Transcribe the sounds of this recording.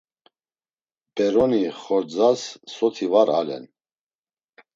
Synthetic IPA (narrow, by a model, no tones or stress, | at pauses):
bɛɾɔniχɔɾd͡zasːɔt̪ʰivaɾa̰lɛ̰n